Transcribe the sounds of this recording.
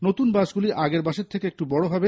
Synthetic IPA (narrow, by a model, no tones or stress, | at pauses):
not̪unbaʃɡuliʔaɡeɾbaʃeɾt̪ʰekeek̚ʈubɔɽobʱabe